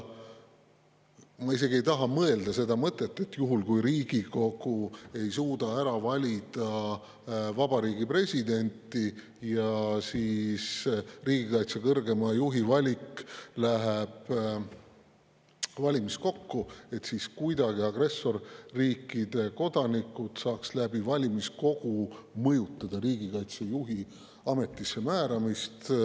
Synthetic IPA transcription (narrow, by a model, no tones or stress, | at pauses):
mɑis̬e̞ɡ̥ie̞jt̪ɑɦɑmɤe̞ld̪̥ɑse̞d̪̥ɑmɤt̪ːˑe̞t̪ːˑe̞t̪ːjuɦulkujɾiːɡ̥iko̞ɡ̥ue̞jsuːd̪̥ɑæɾɑvɑlʲid̪̥ɑ | vɑbɑɾiːɡipre̞sʲid̪e̞nʲt̪ˑːi | jɑsiːsriːɡ̥ikɑjt̪sekɤrɡe̞mɑjuɦivɑlʲiklæɦeb̥ | vɑlʲimisko̞kːue̞t̪siːskujd̪ɑɡ̥iɑɡ̥re̞sːo̞rːiːkːˑid̪̥e̞ko̞d̪̥ɑnikːˑut̪sɑːkslæb̥ivɑlʲimisko̞ɡ̥umɤjut̪ːˑɑd̪̥ɑɾiːɡ̥ikɑjt̪sejuɦi | ɑme̞t̪ˑːisːe̞mæːɾɑmist̪